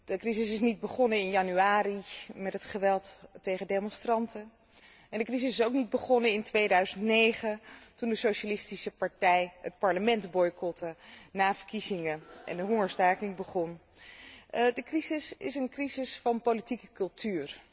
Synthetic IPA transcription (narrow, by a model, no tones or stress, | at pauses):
d̥əkrisɪs̬ɪsnid̚bəχɔnəɪnjɑnyaːɾimɛtɦətχəʋɛlˠtːejχədejmɔnstrɑntə | ɛndəkrizɪsɪsowknid̚bəχɔnəɪntʋejdœɥzəntnejχəntundəsowʃalɪstisəpɑɹtɛjɦət̚pɑɹləmɛntbɔjkɔtənaːvəɹkizɪŋəʔɛ̰ndəɦʊŋəɹstaːkɪŋbəχɔn | dəkrizɪsɪsənkrizɪsfɑnpowlitikəkɵlˠtyːr